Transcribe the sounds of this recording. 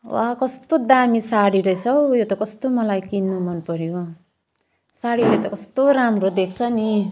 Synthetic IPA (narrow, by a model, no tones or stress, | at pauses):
wakʌst̪od̪amisaɽiɾʌjt͡sʰʌwjot̪ʌkʌst̪omʌlajkinːumʱʌnpʌɾjo | saɽiɾʌjt̪ʌkʌst̪oɾamɾod̪ek̚ʰt͡sʰʌni